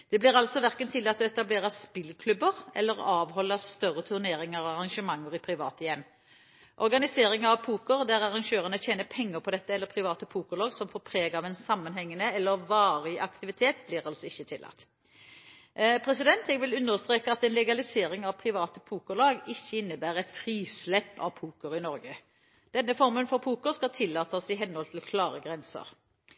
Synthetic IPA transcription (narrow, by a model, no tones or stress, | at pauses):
d̪̥ɛblɪʁɑlsɔʋæʁkənt̪ʰɪlːɑt̪ːɔɛt̪ɑbleːʁəspɪlkʰlʉbəʁɛ̰lːəʁɑːʋhɔlːəst̪œʁət̪ʰʉʁneːɾɪŋɑʋɑʁɑŋʃəmɑŋːəʁɪpʰɾɪʋɑ̰ːt̪əjɛmː | ʔɔɾɡɑnɪseːɾɪŋəɑʋpʰuːkəʁd̪æʁɑʁɑŋʃøːʁənəçeːnəpʰɛŋːəɾpʰɔd̪ɛt̪ːəɛlːəɾpʰʁɪʋɑːt̪əpʰuːkəʁlɑːɡsɔmfɔpʰɾeːɡɑʋɛnsɑmːɑnhɛŋːənəɛlːəɾʋɑːʁɪʔɑkt̪ɪʋɪt̪ʰeːt̪blɪʁɑlsɔɪçːət̪ʰɪlʔɑ̰t̪ | pʰʁɛsɪd̪ɛnt̪ɛɡʋɪlʉnːəʁst̪ʁeːkəɑt̪ɛnlɛɡɑlɪseːɾɪŋɑʋpʰɾɪʋɑːt̪əpʰuːkəlɑːɡɪçːəɪnːəbæːʁɛt̪fɾiːslɛpːɑ̰ʋpʰuːkəɾɪnɔɾɡə | d̪̥ɛnːəfɔɾmənfɔɾpʰuːkəʁskɑlt̪ʰɪlːɑːt̪əsɪɦɛnhɔlt̪ʰɪlkʰlɑːʁəɡʁɛnsə̰ɾ